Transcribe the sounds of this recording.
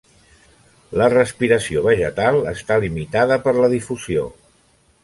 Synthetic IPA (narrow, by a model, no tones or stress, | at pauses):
lərəspiɾəsioβəʒət̪alˠəst̪alimit̪aðəpəɾləðifuzio̰